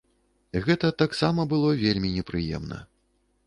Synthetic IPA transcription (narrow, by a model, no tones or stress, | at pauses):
ɣɛt̪ɐt̪aksamɐbɨlˠɔvʲelʲmʲinʲɛpɾɨjɛ̰mnɐ̰